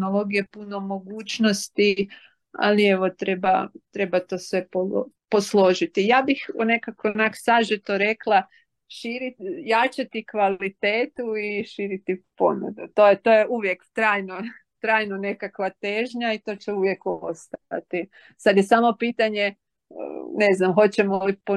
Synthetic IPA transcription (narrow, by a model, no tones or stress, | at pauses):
nolˠo̞ɡijepuno̞mo̞ɡuːt͡ɕno̞st̪i | a̰lie̞ʋo̞t̪ɾe̞bat̪ɾe̞bat̪o̞ːsʋe̞po̰po̞slˠo̞ʒit̪ijaːbixone̞kakonaksaʒit̪oɾe̞kla | ʃiɾijat͡ʃat̪ikʋalit̪eːt̪uiʃiːɾit̪ipo̞̰nṵd̪ut̪o̞jet̪o̞jeuʋjekt̪ɾaːjnot̪ɾaːjnone̞kakʋat̪eʒɲait̪o̞t͡ɕɛuʋjekost̪aa̰t̪i | sad̪jesaːmo̞piːt̪aɲe | ə̰neznamɦo̞t͡ɕemolipo